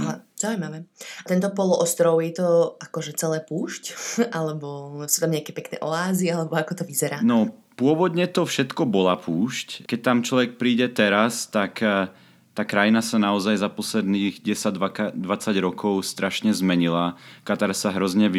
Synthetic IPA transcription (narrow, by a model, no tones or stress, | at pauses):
aɦaz̥aʊujmaʋɛːat̪ɛnt̪ɔpɔlɔʔɔst̪ɾɔʊjɛt̪ɔʔakɔʒɛt͡sɛlɛːpuːʃcʔalɛbɔsuːt̪amɲɛakɛːpɛknɛ̰ːʔɔaːzialɛbɔakɔt̪ɔʋizɛɾaːnɔpʊɔʋɔd̪ɲɛt̪ɔfʃɛt̪kɔbɔlapʰuːʃckɛc̚t̪amt͡ʃlɔʋɛk̚pɾiːɟɛt̪ɛɾast̪ak | t̪aːkɾajinasanaɔzajzapɔslɛd̪niːɣɟɛsad̪akad̪ʋat͡saɟɾɔkɔʊst̪ɾʔaʃɲɛzmɛɲilakat̪aɾsaɦɾɔzɲɛʋi